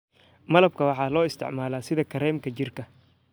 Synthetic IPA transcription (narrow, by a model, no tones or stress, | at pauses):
mɐlɐb̚kʰɐwɑħɑːlɔːɪst̪ʰɪ̰ʕmaːlaːsɪðɐkʰɐɾɛːmkʰɐt͡ʃɪrkʰɐ